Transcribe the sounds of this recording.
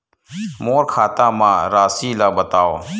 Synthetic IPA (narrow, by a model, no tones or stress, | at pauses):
moːɾkʰaːt̪ãːmãːɾaːsiːlaːbət̪aːo̰ː